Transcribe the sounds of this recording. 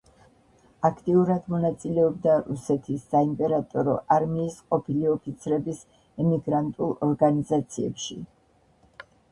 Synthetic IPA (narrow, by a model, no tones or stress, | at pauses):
akʰt̪ʼiuɾad̪mɔnat̪sʼilɛɔb̚d̪aɾusɛt̪ʰisːaimpʼɛɾat̪ʼɔɾɔ̰ʔaɾmiːsqʼɔpʰiliɔpʰit̪sʰɾɛbis | ɛmiɡɾant̪ʼulˠɔɾɡanizat̪sʰiɛ̰pʃḭ